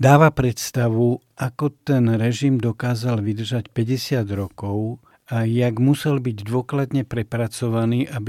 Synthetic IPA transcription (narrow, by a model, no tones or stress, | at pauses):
d̪aːʋapɾɛt̪st̪aʋu | akɔt̪ɛnɾɛʒimd̪ɔkaːzalʋid̪r̩ʒacpɛɟɛsɪad̪ɾɔkɔʊ | ajaɡmusɛlbiɟd̪ʋʊɔklad̪ɲɛpɾɛpɾat͡sɔʋaniːʔabi